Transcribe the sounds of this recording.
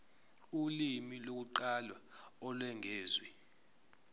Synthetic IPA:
ulimilok̬uǃalwaɔlwɛŋʱeːzwi

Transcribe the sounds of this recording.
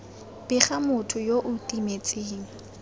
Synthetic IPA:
b̥ɪχamʊtʰʊjoʔʊtʼimet͡sʼeːŋ̩

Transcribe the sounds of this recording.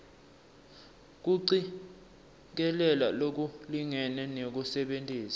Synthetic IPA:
k̬uǀi | k̬ɛlɛlalok̬uliŋɛnɛnek̬usɛɓentʼiːsḁ

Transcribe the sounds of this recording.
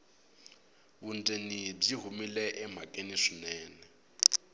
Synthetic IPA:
bun̩tʼenib͡ʐiɦumilɛʔɛm̤akʼeniʂinɛːnɛ

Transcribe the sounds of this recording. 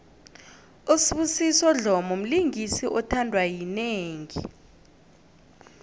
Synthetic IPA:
usiɓusisɔɮɔmɔm̩liŋisiʔɔtʰandʱwajineːŋi

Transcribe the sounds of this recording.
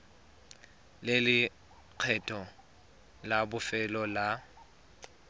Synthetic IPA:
lɪlɪ | q͡χʰɛtʼʰɔ | labʊfɛlɔla

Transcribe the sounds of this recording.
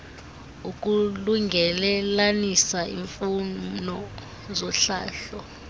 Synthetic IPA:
uk̬ʼuluŋɡʱɛlɛlanisaḭɱfunɔ | zɔɬa̰ːɬɔ

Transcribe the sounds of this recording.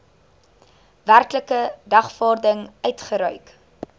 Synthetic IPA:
værkləkədɐχfɑːrdəŋœɥtχəɾœɥk

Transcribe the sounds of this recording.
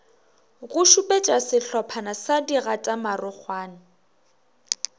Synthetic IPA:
ɣʊʃupʼet͡ʃʼasɪɬɔpʰanasadiɣatʼamarʊk͡xʰwaːnɪ

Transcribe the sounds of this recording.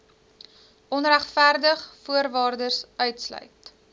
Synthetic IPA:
ʔɔnræχtfærdəχfuərvɑːrdərsœɥtslœ̰ɥt

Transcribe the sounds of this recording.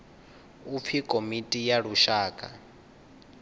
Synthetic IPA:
up̪fʰikʼomitʼijaɺuʃaːkʼa̰

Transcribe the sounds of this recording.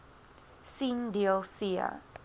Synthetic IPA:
sĩndiəlˠsiə̰

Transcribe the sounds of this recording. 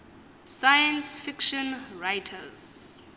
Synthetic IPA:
sajãnsfikʃɔ̃nɹajtʰəz̥

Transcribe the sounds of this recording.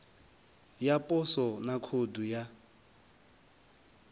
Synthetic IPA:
japʼɔsɔnakʰoduja

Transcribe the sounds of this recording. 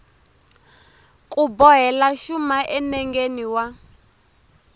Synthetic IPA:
kʼubɔɦɛlaʃumaʔɛnɛŋɡeniwa

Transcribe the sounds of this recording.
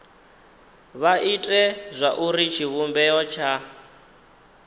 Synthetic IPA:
βaʔitʼɛzʷaʔuɾit͡ʃʰiβumbɛɔt͡ʃʰa

